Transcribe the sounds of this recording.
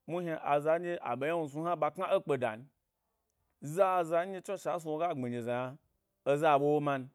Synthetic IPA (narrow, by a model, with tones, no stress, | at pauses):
mu˦ɦa˧ʔa˨za˧˦d͡ʒe˦ʔa̰˨ɓe˨ja˦nu˧s̬u˧˦ha˦ɓa˧kŋa˦o˦k͡pe˧da̰˨n˦ | za˦˨za˧˦d͡ʒe˦t͡ʃo˦ʃa˨˦s̬u˧wo˧˦ɡa˦˨ŋ͡me˨ɲe˨za˨ja˧ | o˧za˦˨ɓo˦wo˦ma˧n˧